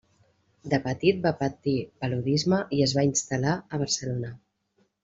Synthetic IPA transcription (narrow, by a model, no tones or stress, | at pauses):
d̪əpət̪it̪̚bapət̪ipəluðizməʔiəzβainst̪əlaəβ̞əɾsəlonə